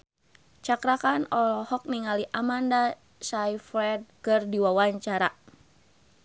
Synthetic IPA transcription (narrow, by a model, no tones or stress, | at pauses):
t͡ʃakɾakanɔlɔhɔk̚miŋaliʔamanda | sajfɾɛd̚kɨrdiwawaɲt͡ʃaɾa̰